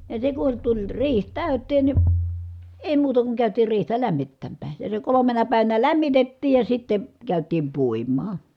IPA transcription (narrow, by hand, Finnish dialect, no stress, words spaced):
jɑ se kun tulʲ riːh tæˑy̞tːeːn ni eˑi muːtɑ kuŋ kæˑytiːr riːhtæ læmːitːæmːæː jɑ se kolomenɑ pæˑiʋænæ læmːitetːiːj jɑ sitːe kæˑytˑiːm puimˑɑː